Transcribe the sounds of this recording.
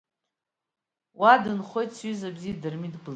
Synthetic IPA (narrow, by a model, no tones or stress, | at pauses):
wadɨnχo̞jtsɥyzabziadɨrmidbl